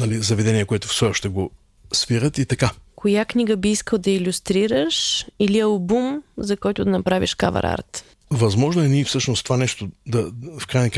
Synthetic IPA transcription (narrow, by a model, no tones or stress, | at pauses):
nɐlizɐvɛd̪ɛnʲiɛkoɛt̪o̥fsɔʃt̪ɛɡo | sviɾət̪it̪ɐkakojakniɡəbiiskəlˠd̪ɐilʲust̪ɾiɾəʃiliɐlˠbumzɐkɔjt̪ʊd̪ɐnɐpɾavḭʃka̰vɐ̰ɾa̰ɾt̪ | vɐzmɔʒnoɛnifsɤʃnost̪ovanɛʃt̪od̪ɐfkɾajnɐk